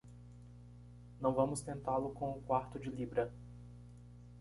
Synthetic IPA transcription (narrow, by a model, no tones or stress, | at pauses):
nɐ̃w̃vɐ̃mʊst̪ẽnt̪alʊkõʊkwaɾt̪ʊd͡ʒɪlibɾɐ